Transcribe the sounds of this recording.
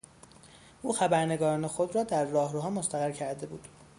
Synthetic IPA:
ʔuːxæbæɾne̞ɡɒːɾɒːne̞xo̞d̪ɾɒːd̪æɾːɒːhɾuːɦɒːmost̪æɣæɾcʰæɾd̪e̞bṵːd̪̥

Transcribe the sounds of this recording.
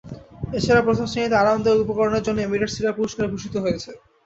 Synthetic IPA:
et͡ɕʰaɾapɾot̪ʰaʃonit̪eaɾant̪oupokoɾoneɾd͡ʑonːeemiɾeʈsiɾapuɾuʃkaɾebʱuʃit̪oɦoet͡ɕʰe

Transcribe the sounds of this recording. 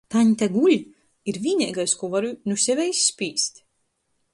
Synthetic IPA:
t̪aɲt̪aɡuʎʲ | iɾvʲiːnʲɛ̰ːɡajskuɔvaɾunusʲɛvɛjisːpʲiːst̪

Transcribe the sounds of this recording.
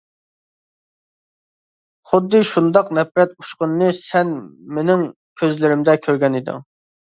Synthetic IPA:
χʊd̪ːɨʃund̪ɑqnɛfɾɛt̪̚u̥ʃqʊnːɨsɛnmenɪŋ | kʲʰøzlɪɾɪmd̪ɛkʲʰøɾɡʲɛnid̪ɪ̰

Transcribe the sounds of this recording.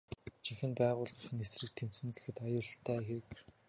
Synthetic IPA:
t͡ɕʰiŋxɘ̆npæːʁʊːɮʊ̆xɘ̆nesrɘ̆k̚t̪ʰemsɘ̆nɡexɘ̆t̪ajʊːɮɬt̪ʰæːxek

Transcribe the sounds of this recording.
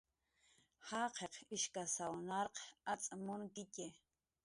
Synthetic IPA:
hɑqʰeqɪʃkasawnɑɾqat͡sʼamʊŋkɪce

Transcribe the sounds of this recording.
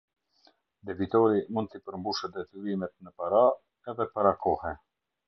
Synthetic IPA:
d̪ɛvit̪ɔɾimund̪̚t̪ipəɾmbuʃəd̪ɛt̪yɾimɛt̪̚nəpaɾa | ɛðɛpaɾakɔhɛ

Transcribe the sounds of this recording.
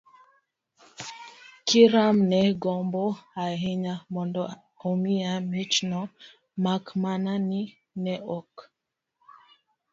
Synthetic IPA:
kiɾamnɛɡɔmboaɦiɲamɔndɔ | omiamit͡ʃnɔ | makmanani | nɛɔk

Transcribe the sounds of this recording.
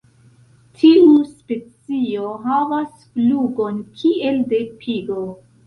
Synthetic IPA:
tʰiuspe̞t͡sio̞ɦavasfluɡo̞nkʰie̞lde̞pʰiɡo

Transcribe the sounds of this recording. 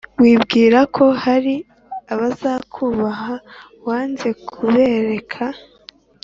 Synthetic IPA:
wiːbɡiːɾakʰo̞haɾi | aβazaːkʰuβaɦa | waːnze̞kʰuβe̞ɾe̞kʰa

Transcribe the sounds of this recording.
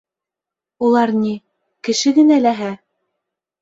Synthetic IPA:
ulˠɑɾni | kɘ̆ʃɘɡɘ̆nælæɦæ

